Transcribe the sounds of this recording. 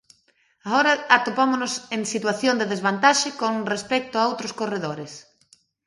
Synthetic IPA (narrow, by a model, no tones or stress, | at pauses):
aoɾɐat̪opamonʊseŋsit̪waθjond̪eðezβant̪aʃɪkonrespɛk̚t̪ʊaowt̪ɾʊskoreðoɾɪs